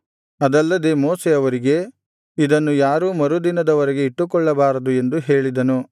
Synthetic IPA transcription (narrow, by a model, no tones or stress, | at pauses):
ɐd̪ɐlːɐd̪e̞moːseɐʋɐɾiɡe̞ | id̪ɐnːujaːɾuːmɐɾud̪inɐd̪ɐʋɐɾɛɡe̞iʈːukɔɭːɐbaːɾɐd̪ue̞nd̪uɦe̞ːɭid̪ɐnu